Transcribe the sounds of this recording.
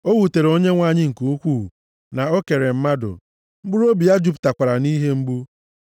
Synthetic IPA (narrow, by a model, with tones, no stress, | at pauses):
o˦ɣu˨te˨ɾo˦ɲe˦ŋʷa˦˨ɲɪ˦ŋ̩˨ku˨u˦kʷu˦˨ | na˨o˦ke˨ɾe˨m̩˦ma˦dʊ̰˨ | ŋ͡m̩˦ɡ͡bu˦ɾo˦bi˨a˦d͡ʒu˦pta˨kʷa˨ɾa˨ni˦ɦe˦m̩˦ɡ͡bu˦